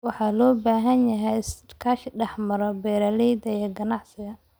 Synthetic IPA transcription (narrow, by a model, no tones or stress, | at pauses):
wɑħɑːlɔːbaːɦɐnjɐɦɛjskʰɐʃɖɛħmɐɾɔbɛːɾɐlɛjd̪ɐjɛɡɐnɑʕsɪɣɐ